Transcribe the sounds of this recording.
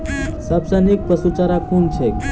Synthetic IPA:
səbsənik̚pəsut͡ʃaɾakʰunt͡ʃʰek

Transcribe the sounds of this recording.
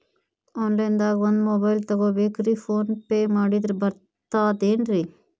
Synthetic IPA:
ɔːnlɐjnd̪aːɡond̪mobɐjlt̪ɐɡoːbeːkɾipʰoːnpeːmaːɽid̪ɾebɐɾ | t̪aːd̪eːnɾi

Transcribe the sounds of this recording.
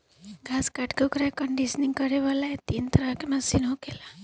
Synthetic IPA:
ɡʱaskaʈkeukɾakəɳɖisniŋɡkəɾeʋalaet̪iːnt̪əɾakemɐsinɦokela

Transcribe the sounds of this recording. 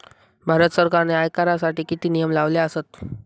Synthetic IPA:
bʱaɾət̪səɾkaɾneajkaɾasaʈiːkit̪iːnijəmlaʋljaəsət̪̚

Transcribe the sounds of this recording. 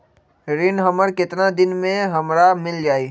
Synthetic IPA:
ɾɪnɦəməɾkɪt̪nad̪ɪnmẽɦəmɾamɪld͡ʒaːiː

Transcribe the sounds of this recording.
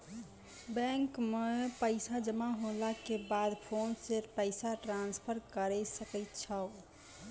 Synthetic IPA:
bɛ̃ŋkmepəɪsad͡ʒəmaɦolakebad̪pʰonsepəɪsaʈɾanspʰəɾkəɾɛsəkɛɪt̪t͡ʃʰəʊ

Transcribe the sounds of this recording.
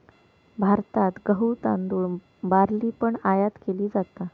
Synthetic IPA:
bʱaɾt̪at̪ɡəɦut̪a̰nd̪uːɳ | baɾliːpəɳajat̪keliːd͡zat̪a

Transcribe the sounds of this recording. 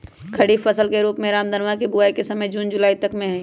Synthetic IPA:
kʰɐɽiːfʰɐsəlkeɾuːpmẽɾaːmd̪ənʋakibuaːikesɐməjd͡ʒuːnd͡ʒʊlaːit̪ɐkmẽɦɛ̃ː

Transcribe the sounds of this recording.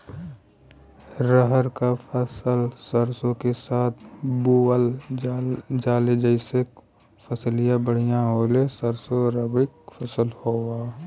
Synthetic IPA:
ɾəɦəɾkapʰəsəlsəɾsõkesaːt̪ʰbuəl | d͡ʒaːled͡ʒəɪsek | pʰəslɪjabəɽ̤ijãɦoːlesəɾsoɾəbɪkfʰəsəlhoːɡaː

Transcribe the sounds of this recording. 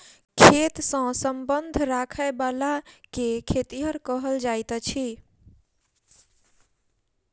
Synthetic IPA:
kʰet̪sə̃səmbənd̪ʱɾakʰəebalakekʰet̪iɦəɾkəɦəld͡ʒajt̪t͡ʃʰi

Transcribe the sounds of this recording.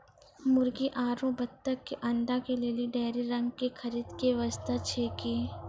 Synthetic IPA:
mʊɾɡiʔaːɾõbɐt̪t̪ːəkːeʔɐ̃nd̪akeleːliɖeːɾiɾɐ̃ŋɡkexʰɐɾiːd̪keʋɐst̪at͡ʃʰeːkiː

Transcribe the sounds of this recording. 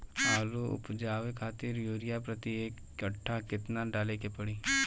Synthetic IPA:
aːluʊ̰pd͡ʒaːʋekʰaːt̪ɪɾjoːɾɪjaːpɾət̪ieːkːəʈʰːaːkɪt̪naːɖaːleːkepəɽiː

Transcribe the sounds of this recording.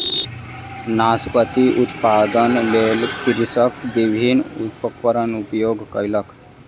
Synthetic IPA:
naːspət̪iʔʊt̪paːd̪ənleːlkiɾsəkbibʱinʊt̪̚pəkpəɾənʊpjoːɡkəjlək

